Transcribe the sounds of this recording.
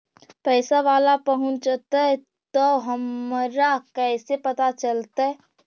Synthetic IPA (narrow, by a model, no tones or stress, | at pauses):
pɛːsaʋaːlapəɦʊ̃nt͡ʃət̪aɦɛ | t̪oɦəmɾakɛsepət̪at͡ʃəlt̪aɦɛ